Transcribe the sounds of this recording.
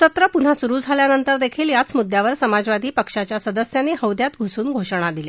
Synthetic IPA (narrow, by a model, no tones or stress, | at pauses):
sət̪ɾəpun̤asuɾuːd͡zʱaljanənt̪əɾd̪ekʰiːljat͡smud̪jaʋəɾsəmad͡zʋad̪ʱiːpəkʂat͡ɕjasəd̪əsjanːiːhəʋd̪jat̪ɡʱusuːnɡʱoʂɽ̃ad̪ile